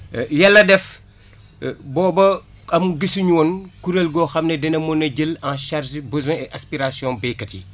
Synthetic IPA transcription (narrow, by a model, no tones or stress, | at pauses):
jalːɐdɛf | bɔːbɐ | ɐmɡəsuɲuwɔnkuɾelɡɔxɐmnɛdɛnɐmɔnɐɟəlãnʃaɾʒbəzwɛ̃ɛʔaspiɾasijɔ̃bɛkɐtḭ